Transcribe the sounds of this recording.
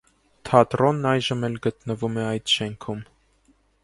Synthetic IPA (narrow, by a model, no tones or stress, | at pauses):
t̪ʰɑt̪ɾɔnːɑjʒəmɛlɡət̪nəvumɛɑjt̪ʃɛŋkʰum